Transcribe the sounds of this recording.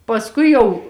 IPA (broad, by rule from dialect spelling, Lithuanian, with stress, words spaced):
pɐsˈkʊɪ jɛʊ